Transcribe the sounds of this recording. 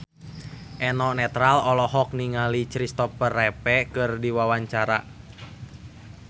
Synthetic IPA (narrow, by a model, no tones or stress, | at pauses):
ʔɛnɔnɛt̪ɾalɔlɔɦɔk̚niŋalit͡ʃɾist̪ɔpərɛpɛkɨrdiwawaɲt͡ʃaɾa